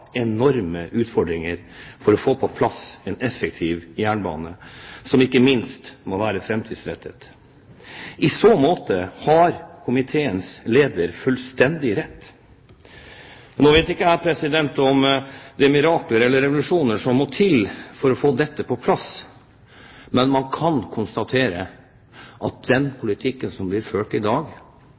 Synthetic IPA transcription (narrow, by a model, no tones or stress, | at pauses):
ɛnɔɾməʔʉːt̪fɔɖɾɪŋəɾ | fɔɾɔfoːpʰɔpʰlɑsɛnɛfək̚t̪ʰiːʋjæːɳbɑ̰ːnəsɔmɪkːəmɪnst̪mɔʋæːɾəfɾɛmt̪ʰiːd̪sɾɛ̰t̪ʰːə̰t̪ | ʔɪsoːmoːt̪əhɑɾkʰʊmɪt̪ʰeːənsleːd̪əɾfʉlst̪ɛnd̪ɪɾɛt̪ː | noːʋeːt̪ɪkːəæːɾpʰɾɛsɪd̪ɛnt̪ɔmd̪ɛmɪɾɑːkləɾɛlːəɾːɛʋʊlʉʂuːnəʂɔmːɔt̪ʰɪlfɔɾɔfoːd̪ɛt̪ːəpʰɔpʰlɑs | mɛnmɑnkʰɑnkʰʊnst̪ɑt̪ʰeːɾə | ʔɑt̪̚d̪̥ɛnpʰʊlɪt̪ʰɪkːənsɔmblɪɾføːʈɪd̪ɑːɡ